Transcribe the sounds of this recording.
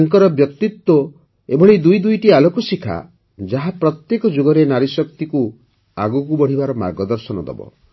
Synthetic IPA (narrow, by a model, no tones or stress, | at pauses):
ŋkɔɾɔbjɔkt̪it̪wo | ebʱɔɭid̪ujd̪ujʈialokusikʰa̰ | d͡ʒaɦapɾɔt̪jekɔd͡ʒoɡɔɾenaɾisɔk̚t̪iku | a̰ɡukubɔɽ̤ibaɾɔma̰ɾɡɔd̪ɔɾsɔnɔd̪ɔ̰bɔ̰